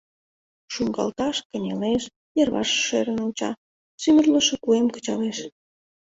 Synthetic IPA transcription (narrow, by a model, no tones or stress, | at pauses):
ʃuŋɡɑ̰lt̪ɑʃkə̆nʲeleʃ | jerβɑ̰ʃːeɾə̆nut͡ɕɑ̰ | symərlə̆ʃĕkuemkə̥̆t͡ɕɑleʃ